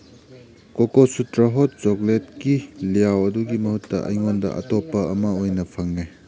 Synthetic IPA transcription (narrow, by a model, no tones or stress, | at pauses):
kokosutɾɐɦot̚t͡ʃoklet̚kilijawɐduɡimɐhutːɐ̰ʔɐ̰jŋondɐ̰ʔɐ̰topːɐɐmɐojnɐpʰɐŋːe